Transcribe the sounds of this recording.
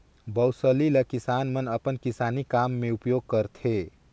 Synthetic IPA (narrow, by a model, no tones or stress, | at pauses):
bəwsəliləkisanmənəpənkisanikamːeupjoɡ̚kəɾt̪ʰe